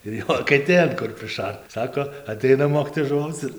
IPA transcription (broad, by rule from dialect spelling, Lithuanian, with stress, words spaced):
ɪr ˈjoː ɐkʲɛˈtʲeːn kʊr pʲrʲɪˈʃɐrt ˈsɑːkoː ɐˈtʲɛɪnɐ ˈmoːkʲiːtoːjɛs ʒʊˈʋɐʊt͡s ɪr